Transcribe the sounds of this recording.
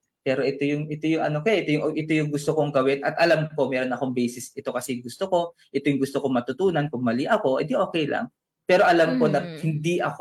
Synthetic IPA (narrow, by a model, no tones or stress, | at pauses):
pɛːɾo̞ʔɛt̪o̞jʊŋʔɛt̪ojʊŋɐ̰nokoʔɛt̪ojʊŋʔʔɪt̪ojʊŋɡʊst̪okoŋɡɐwɪnʔɐt̪ʔɐlamko̞mɛːɾo̞nɐko̞ŋbɛjsɪsɪt̪o̞kɐsɛjʊŋɡʊst̪oko̞ʔɪt̪ojʊŋɡʊst̪okoŋmɐt̪ʊt̪uːnɐnkʊŋmɐliʔɐko̞ʔɪd̪iʔoːkɛjlɐ̰ŋ | pɛːɾo̞ʔɐlamko̞nɐhɪnd̪iʔɐk